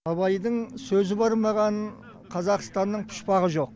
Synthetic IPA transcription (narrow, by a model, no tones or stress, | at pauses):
ɑβɑjd̪əɴsɵzɪbɑɾmɑʁɑn | qʰɑzɑqst̪ɑnːəɴpʰʊ̥ʃpɑʁəʒo̞q̚